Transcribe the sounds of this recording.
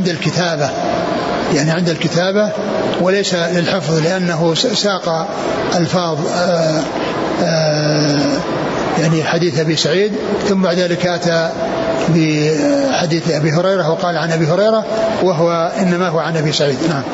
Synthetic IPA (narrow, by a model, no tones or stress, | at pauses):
ɪnd̪alkɪt̪aːba | jaʕniʕɪnd̪alkɪt̪aːba | wɪlejsalɪlħɪfðˤlɪʔanːaɦʊsaːqɑ | ʔalfɑːðˤ | jaʕniħad̪iːθʔabisaʕiːd̪ | θʊmːbaʕd̪ðaːlɪkʔat̪a | bɪħad̪iːθʔabiɦʊɾɑjɾˤɑhwɑqɑːlʕanʔabiɦʊɾɑjɾɑwaɦwaʔɪnːamaɦʊwaʕanʔabisaʕiːd̪naʕam